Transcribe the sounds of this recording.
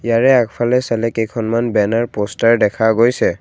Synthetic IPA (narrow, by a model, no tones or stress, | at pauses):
jaɹɛakpʰalɛsalɛkejkʰɔnmanbɛnaɹpostaɹdɛkʰaɡojsɛ